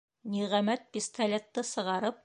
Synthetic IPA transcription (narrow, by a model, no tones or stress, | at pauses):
niʁæmæt̪̚pʲist̪ɐlʲet̪ːɤsɤ̆ʁɑɾɤp̚